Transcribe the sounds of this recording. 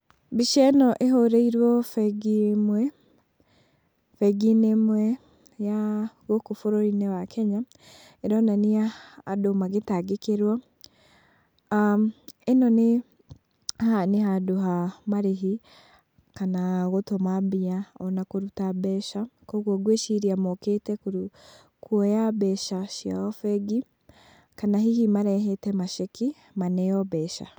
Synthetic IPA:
biʃɛnɔʔeɦoɾeiɾwɔfɛɡimwɛ | fɛɡinemwɛ | jaɣokofoɾoɾinɛwakʰɛɲa | eɾɔnaniaːdomaɣetaɡekeɾwɔ | enɔne | haneɦadoɦamaɾeɦi | kanaɣotomabiaɔnakoɾutabɛʃakɔɣɔɡweʃiɾiamɔketɛkuɾ | kwɔjabɛʃaʃia̰ɔfɛɡi | kanaɦihimaɾɛɦɛtɛmaʃeki | manɛjɔβɛʃa̰

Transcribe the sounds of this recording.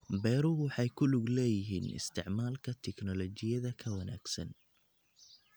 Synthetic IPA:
bɛːɾʊwɑħɑjkʰʊlʊɡlɛːjɪɦḭːnɪ̰st̪ʰɪʕmaːlkʰɐt̪ʰɛknɔlɔt͡ʃɪjɐðɐkʰɐwɐnaːɡ̥sɐ̰n

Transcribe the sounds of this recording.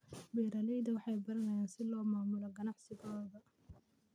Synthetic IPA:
bɛːɾɐlɛjðɐwɑħɑjbɐɾɐnɐjaːnsɪlɔːmaːmʊlɔɡɐnɑʕsɪɣɔːðɐ

